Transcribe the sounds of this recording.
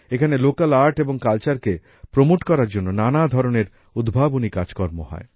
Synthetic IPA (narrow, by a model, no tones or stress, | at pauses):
ekʰanelokalaɾʈeboŋkalt͡ɕaɾke | pɾomoʈkɔɾaɾd͡ʑonːonanad̪ʱɔɾoneɾ | ud̪bʱabonikad͡ʑkɔɾmoɦɔ̰e